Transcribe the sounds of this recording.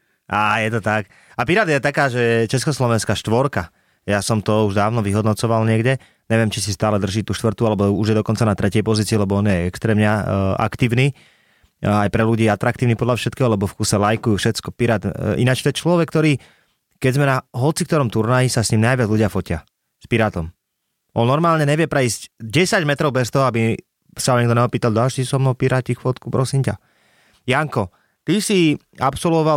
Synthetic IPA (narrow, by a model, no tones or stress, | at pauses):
ʔaːjɛt̪ɔt̪ak | apiɾad̪jɛt̪akaːʒɛjɛt͡ʃɛskɔslɔʋɛnskaːʃt̪ʋɔɾka | jasɔmt̪ɔuʒd̪aːʋnɔʋiɦɔd̪nɔt͡sɔʋalɲɪɛɡɟɛ | ɲɛʋɪɛmt͡ʃisist̪aːlɛd̪r̩ʒiːt̪uːʃt̪ʋrt̪ualɛbɔuʒjɛd̪ɔkɔnt͡sanat̪ɾɛcɪɛjpɔziːt͡siɛlɛbɔɔnjɛɛkst̪ɾɛːmɲɛa̰kt̪iːʊniː | ajpɾɛluɟiːɛat̪ɾak̚t̪iːʊniːpɔd̪lafʃɛt̪̚kɛːɦɔlɛbɔfkuːsɛlajkujuːfʃɛt͡skɔpiɾad̪ʔinat͡ʃt̪ɔɛt͡ʃlɔʋɛkːt̪ɔɾiː | kɛɟzmɛnaɦɔt͡sik̚t̪ɔɾɔmt̪uɾnajisasɲimnajʋɪad͡zluɟɪafɔcɪa | spiɾaːt̪ɔm | ʔɔnːɔɾmaːlɲɛɲɛʋɪɛpɾɛiːscɟɛsaɟmɛt̪ɾɔʊbɛst̪ɔɦɔabi | saɔɲɛɡ̚d̪ɔɲɛɦɔpiːt̪ald̪alʃisɔmnɔʊpiɾaːcixfɔt̪kupɾɔsimca | jaŋkɔ | t̪isi | apsɔlʋɔʋal